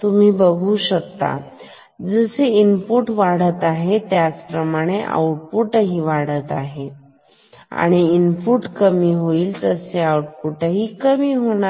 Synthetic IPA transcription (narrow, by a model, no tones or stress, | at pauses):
t̪um̤iːbəɡʱuːɕək̚t̪a̰ | d͡zəseinpuʈʋaɽ̤ət̪aɦet̪jat͡spɾəmaɽ̃eʔa̰uʈ̚puʈəɦiːʋaɽ̤ət̪aɦe | a̰ɽ̃iːnpuʈkəmiːɦoiːlt̪əseauʈpuʈəɦiːkəmiːɦoɽ̃a